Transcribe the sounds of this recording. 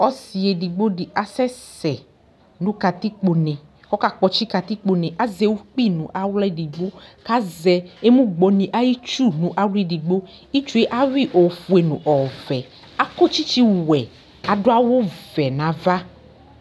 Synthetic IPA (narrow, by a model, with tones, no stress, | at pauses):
ɔ˦si˨e˨di˨ɡ͡bo˦ɖi˨ʔa˨sɛ˦sɛ˨ | nũ˦ka˨t̪i˦k͡po˨nɛ̃˨ | wɔ˦ka˨k͡pɔ˨t͡ʃi˦ka˨t̪i˦k͡po˨nẽ˨ʔa˦zɛ˨wo˦k͡pi˦˨nũ˨ʔa˦wlɛ˦di˨ɡ͡bo˦ka˦zɛ˨e˦mũ˦ɡ͡bɔ˨nĩ˨ʔa˦ji˦t͡ʃu˦nũ˨ʔa˦lu˦e˨di˨ɡ͡bo˦ | i˦t͡ʃu˦e˦ʔa˦wi˦ʔɔ˨fu˨e˨nṵ̃˨ʔɔ˨vɛ˨ | a˦kɔ˦t͡ʃi˦t͡ʃi˦wɛ˨ | a˨do˦a˦wo˦vɛ˨nã˨va˦